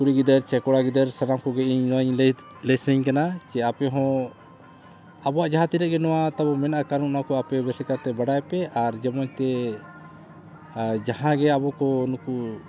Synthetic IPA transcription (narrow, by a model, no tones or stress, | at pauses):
kuɾiɡid̪əɾt͡ʃɛkɔɽaɡid̪əɾsaɾamkɔɡɛiɲnɔwaiɲl | lɛsəɲkanat͡ʃɛapɛɦɔ̃ | abɔwaʔd͡ʒaɦãt̪iɾɛʔɡɛnɔwat̪abɔmɛnaʔakaɾuʔnaakɔapɛbɛsɛkat̪ɛbaɽajpɛʔaɾd͡ʒɛmɔɲt̪ɛ | d͡ʒaɦãɡɛabɔkɔnuku